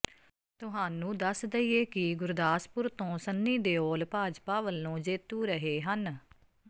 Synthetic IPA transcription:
t̪ʊɦaːnũːd̪əsd̪əieːkɪɡʊɾd̪aːspʊɾt̪õːsənːiːd̪eːoːlpaːd͡ʒpaːʋəlːõːd͡ʒeːt̪ũːɾəɦeːɦən

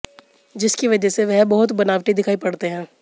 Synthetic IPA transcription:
d͡ʒɪskiʋɐd͡ʒɛseʋɛɦbɐɦʊt̪bɐnaːʋʈid̪ɪkʰaːipɐɽt̪eɦɛ̃ː

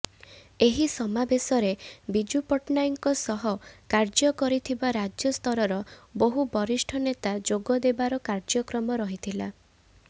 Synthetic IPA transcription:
eɦisɔmabesɔɾebid͡ʒupɔʈnajŋkɔsɔɦɔkaɾd͡ʒɔkɔɾit̪ʰibaɾad͡ʒjɔst̪ʰɔɾɔɾɔboɦubɔɾisʈʰɔnet̪ad͡ʒoɡɔd̪ebaɾɔkaɾd͡ʒɔkɾɔmɔɾɔɦit̪ʰila

